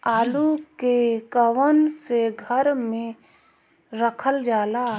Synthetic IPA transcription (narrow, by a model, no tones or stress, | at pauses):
aːlukekəʋənseɡʱəɾmẽ | ɾəkʰəld͡ʒaːla